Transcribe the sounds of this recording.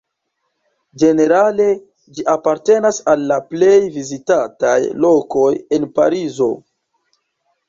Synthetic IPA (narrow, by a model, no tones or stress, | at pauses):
d͡ʒe̞ne̞ɾale̞ | d͡ʒiʔapaɾte̞nasalːaple̞jvizitatajlo̞ko̞je̞npa̰ɾizo̞